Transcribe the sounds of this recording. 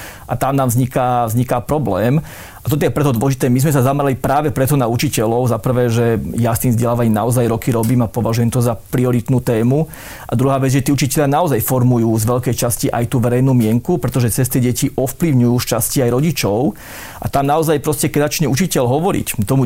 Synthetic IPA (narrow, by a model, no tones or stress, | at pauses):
ʔat̪amnaːmvzɲikavzɲikapɾɔblɛːm | at̪ɔt̪ɔjɛpɾɛt̪ɔd̪ʋɔlɛʒit̪ɛːmizmɛs̬azamɛɾalipɾaːʋɛpɾɛt̪ɔnaut͡ʃicɛlɔʊzapr̩ʋɛːʒɛjast̪iːmzɟɛlaːʋaɲimnaɔzajɾɔkiɾɔbiːmapɔʋaʒujɛmt̪ɔzapɾiɔɾit̪nuːt̪ɛːmu | ʔa̰d̪ɾuɦaːʋɛd͡zʒɛt̪iːut͡ʃicɛʎɪanaɔzajfɔɾmujuːzʋɛʎkɛjt͡ʃasciʔa̰jt̪uːʋɛɾɛjnuːmɪɛŋkupɾɛt̪ɔʒɛt͡sɛs̬t̪ɛɟɛciʔɔfpliʊɲujuːʃt͡ʃasciajɾɔɟit͡ʃɔʊ | ʔa̰t̪amnaɔzajpɾɔscɛkɛzat͡ʃɲɛut͡ʃicɛʎɦɔʋɔɾḭct̪ɔmu